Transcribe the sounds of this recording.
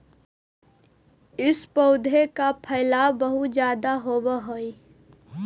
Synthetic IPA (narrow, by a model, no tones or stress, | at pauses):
ɪspəʊd̪ʱekapʰɐɪlaːbəɦʊt̪d͡ʒjaːd̪aɦoːbaɦoi